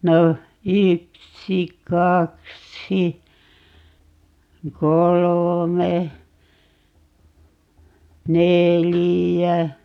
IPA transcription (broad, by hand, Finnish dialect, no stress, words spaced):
no yksi kɑksi kolome nelijæ